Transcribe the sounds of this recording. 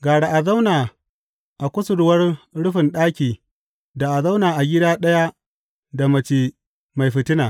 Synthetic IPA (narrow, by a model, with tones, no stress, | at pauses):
ɡaː˨ɽa˨ʔa˨za˦wnaː˨ | ʔa˨kʷʊ˦sʊ˨ɽʊ˦wɐ˦rɽʊ˦ɸɪ˨nɗaː˦kʲiː˨ | da˨ʔa˨za˦wnaː˨ʔa˨ɡʲɪ˦daː˦ɗɐ˦ja˦ | da˨mɐ˨t͡ʃiː˨ | ma˨jɸɪ˨tɪ˦naː˨